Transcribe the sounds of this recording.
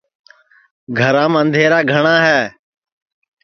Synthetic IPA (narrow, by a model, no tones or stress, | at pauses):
ɡʱəɾãːmə̃nd̪ʱeːɾaːɡʱəɳãːɦɛː